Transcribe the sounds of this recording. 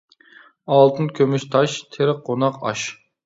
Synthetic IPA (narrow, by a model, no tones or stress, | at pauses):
ɑlˠt̪ʰɨnkʲʰømyʃt̪ʰɑʃt̪ʰeɾɪq̚ːonɑqɑ̰ʃ